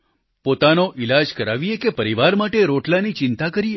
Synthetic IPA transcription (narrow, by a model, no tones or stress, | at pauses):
pot̪anoʔilad͡ʒkəɾaʋiekepəɾiʋaɾmaʈeɾoʈlanit͡ʃɪnt̪akəɾie